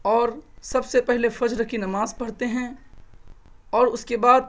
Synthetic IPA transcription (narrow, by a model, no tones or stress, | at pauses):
ɔːɾsɐbsepɛɦlefɐd͡ʒɾəkʰinɐmaːzpɐɽ̤t̪eɦɛ̃ | ɔːɾʊskebaːd̪̚